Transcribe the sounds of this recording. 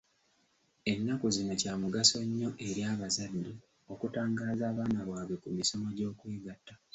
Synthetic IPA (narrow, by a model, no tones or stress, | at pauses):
e̞nːakuzinocaːmuɡaso̞ɲːo̞ʔe̞ɾjaːβazadːi | o̞kutaːŋɡaːzaːβaːnaβwaːβe̞kumiso̞maɟo̞ːkweːɡatːa